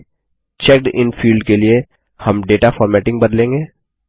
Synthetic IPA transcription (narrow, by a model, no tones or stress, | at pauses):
t͡ʃɛk̚ʈɪ̰nfiːlɖkelie | hɐmɖeːʈafɔːɾmɛːʈɪ̃ŋɡ̚bɐd̪lẽːŋɡeː